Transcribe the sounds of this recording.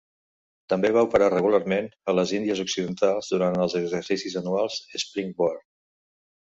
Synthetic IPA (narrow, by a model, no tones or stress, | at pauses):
t̪əmbeβ̞aupəɾarəɣularmenələzind̪iəzuksiðənt̪alˠzðuɾant̪əlˠzəɡzəɾsisizənualˠz̥əspɾiŋbɔr